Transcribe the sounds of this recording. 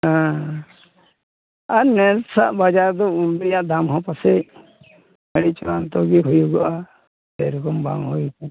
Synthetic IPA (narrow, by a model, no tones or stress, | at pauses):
ɦã | aɾnɛɾsa̰ʔbad͡ʒaɾd̪ɔunbɾijaʔd̪amɦɔ̃pasɛ | məɽit͡ʃɔɾant̪ɔɡiɦujuɡaʔa | bɛɾɔkɔmba̰ŋɦujut̪ʰɛ